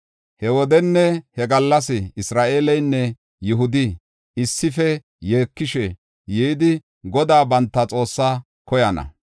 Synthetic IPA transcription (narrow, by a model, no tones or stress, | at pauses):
hɛwɔd̪ɛnːɛhɛɡɐlːɐs̬ɪɪsɾaːʔeːlɛjnːɛ | jʊɦʊd̪ɪ | ɪsːɪfɛ | je̞ːkːɪʃɛ | jɛd̪ɪ | ɡɔd̪aːbɐnt̪ːɐt͡sʼo̞ːsːaː | kɔjɐnɐ̰